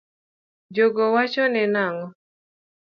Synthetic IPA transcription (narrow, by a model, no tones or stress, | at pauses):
d͡ʒoɡɔwat͡ʃɔnɛnaŋɔ